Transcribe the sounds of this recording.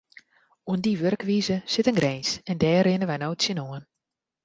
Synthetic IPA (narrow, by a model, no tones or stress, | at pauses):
uəndiʋørkʋiːzəsɪtənɡrensɛndɛːrɪnəʋɛjnoːtsjənoən